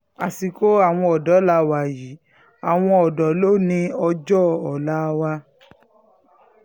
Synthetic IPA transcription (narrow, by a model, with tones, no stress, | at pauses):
a˨si˨ko˨˦a˦˨w̃ɔ̃˧ɔ˨dɔ˨˦la˧˦wa˨ji˨˦ | a˨w̃ɔ̃˧ɔ˨dɔ˨lo˦nĩ˧˦ɔ˧d͡ʒɔ˦˨ɔ˨la˨˦˧wa˧